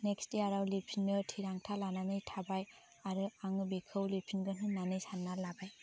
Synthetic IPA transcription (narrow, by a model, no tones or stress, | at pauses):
neksteaɾawlipʰinːɯtʰiɾaŋtʰalananɯjtʰabaj | aɾɯaŋɯbikʰɯwlipʰinɡɯnɯnanɯjsanːalabaj